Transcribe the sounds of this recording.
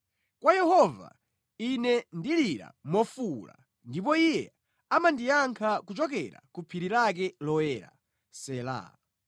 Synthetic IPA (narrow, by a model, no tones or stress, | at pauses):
kwajɛhɔva̰ | inɛndiliɾa̰mɔfula̰ | ndip̬ɔijɛ | amandijaŋkʰakut͡ʃɔk̬ɛɾa̰kupʰiɾiɾak̬ɛlɔɛːɾa̰ | sɛla̰